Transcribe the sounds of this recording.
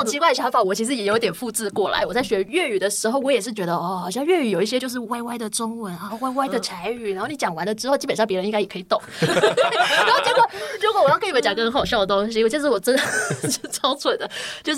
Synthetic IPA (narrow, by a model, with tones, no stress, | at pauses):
t͡ɕʰi˥wa˥˩ɪə˩ɕjɑ˧˥ŋfa˨˩wɔ˨˩t͡ɕʰi˧˥ʂɻ̩˧˥jɛ˨˩jt̪jɛ˨˩nfu˥˧t͡sɹ̩˥˧kwɔ˥˩la̰˧˦ɪwɔ˨˩t͡sa˥˩ɪɕɥɛ˧˥ɥɛ˥˩y˨˩d̪ə˩˦ʂɻ̩˧˥xo˥˩ʊwɔ˧˥jɛ˨˩ʂɻ̩˥˩t͡ɕɥɛ˧˥d̪ə˧ɔ˥˩xɑ˨˩ɕjɑ˥˧ŋɥɛ˥˧y˨˩jo˨˩ʊi˥˩ɕjɛ˥t͡ɕjo˥˧ʊʂ̬ɻ̩˥˧wa˥˧ɪwa˥ɪd̪ə˨ʈ͡ʂʊ˥ŋwə˧˦˥na˧wa˥˧ɪwa˥˧ɪd̪ə˨˩t͡sʰa˧˥ɪy˨˩na˨˧˥xo˥˩n˨˧˥jɑ˨˩ŋwa˧˥nd̪ə˧ʈ͡ʂɻ̩˥xo˥˧ʊt͡ɕi˥pə˨˩nʂɑ˥˩ŋpjɛ˧˥˧n˥i˥ŋɡa˥ɪjkʰt̪ʊ˨˩˦ŋ | n˨˧˥xo˥˩ʊt͡ɕi˥kwə˨˩ɻu˧˥kwwɔ˨˩jkʰə˧˥t͡ɕjɑ˨˩˥kə˥˧ŋxɑ˨˩ʊɕjɑ˥˩ʊdə˩t̪ʊ˥ŋɕ̬i˧˥˧t͡ɕʂ̬̩˥˩wɔ˨˩ʈ͡ʂə˥nd̪əʂ̩˥˩t͡sʰɑ˥ʊt͡sʰwə˨˩nd̪ə˦t͡ɕjo˥˧ʊʂ